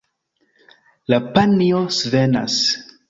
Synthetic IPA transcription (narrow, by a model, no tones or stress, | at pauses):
lapaniosvena̰s